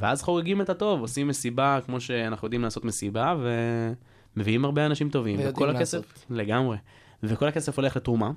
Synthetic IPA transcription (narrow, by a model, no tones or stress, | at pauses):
veazχo̞ʁeɡimet̪ato̞vosimːesibakmo̞ʃe̞anaχnujd̪imlaːso̞t̪me̞sibave̞ | meviimhaʁbeanaʃimt̪o̞vimvekolakesefleɡamʁe | veko̞lake̞se̞fo̞leχle̞t̪ʁuma